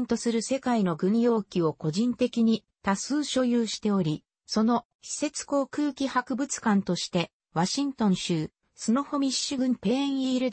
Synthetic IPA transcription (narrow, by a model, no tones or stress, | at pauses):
nt̪o̞sɨɾɯ̟se̞kaino̞ɡɯ̟̃ɰjo̞ːkʲio̞ko̞ʑĩnt̪e̞kʲiɲ̟i | t̪asɨːɕo̞jɯːɕi̥t̪e̞o̞ɾʲi | so̞no̞ | ɕi̥se̞t͡sɨ̥ko̞ːkɯ̟ːkʲihakɯ̟bɯ̟t͡sɨ̥kãnt̪o̞ɕi̥t̪e̞ | βaɕĩnt̪õ̞ɰ̃ɕɨː | sɨnoho̞mʲiɨɡɯ̟̃pe̞ẽɰ̃iːɾɯ̟d̪